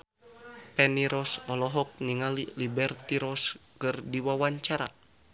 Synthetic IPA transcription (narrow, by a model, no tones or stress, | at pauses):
pɛniɾɔsɔlɔɦɔk̚niŋalilibɛrt̪iɾɔskɨrdiwawaɲt͡ʃaɾa̰